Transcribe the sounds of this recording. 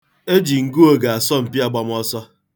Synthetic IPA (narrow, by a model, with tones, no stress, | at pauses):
e˦d͡ʒi˨ŋ̩˦ɡu˦o˨ɡa˨a˨sɔ˦m̩˨pi˦a˦ɡ͡ba˨m˦ɔ˦sɔ˦